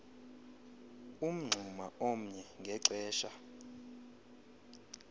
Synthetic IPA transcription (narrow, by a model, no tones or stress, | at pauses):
um̩ŋ͡ǀʱumaom̩ɲɛŋɡʱɛǀɛːʃa